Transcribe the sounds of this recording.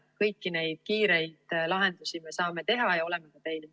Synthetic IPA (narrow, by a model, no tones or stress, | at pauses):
kɤjkːine̞jd̪̥̚kiːɾe̞jd̪̥lɑɦe̞nd̪̥usime̞sɑːme̞t̪e̞ɦɑjɑo̞le̞me̞kɑt̪e̞jl